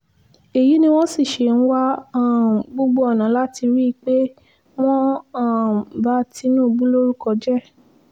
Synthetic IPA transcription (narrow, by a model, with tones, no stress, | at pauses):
e˨ji˨˦nĩ˧w̃ɔ̃˦si˦˨ʃe˨ñ̩˦wa˦a˦˨ɡ͡bo˦ɡ͡bo˧˦ɔ˨nã˨˦la˦ti˧ɾi˦˧k͡pe˦ | w̃ɔ̃˦a˦˨ba˧˦ti˧nũː˦˨ɡ͡bũ˦lo˦ɾu˦kɔ˧d͡ʒɛ˦˨